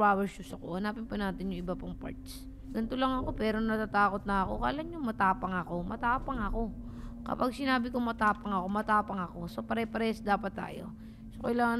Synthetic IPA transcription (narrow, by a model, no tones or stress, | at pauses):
aːwʃusɐko̞̰hɐnaːpɪnpʊnaːt̪ɪnjʊŋʔɪbapɐŋpa̰ɹt̪s | ɡɐnt̪olɐŋɐko̞pɛːɾonɐt̪at̪aːko̞t̪̚nɐɐko̞̰kɐ̰ʔɐlaŋɲoŋmɐt̪aːpɐŋɐko̞mɐt̪aːpɐŋɐko̞ | kɐ̰paɡ̚sɪnaːbɪkomɐt̪aːpɐŋɐko̞mɐt̪aːpɐŋɐko̞sopɐɾɛpɐɾɛsd̪aːpɐt̪ːa̰ːjo̞̰ | sokɐilaːŋɐ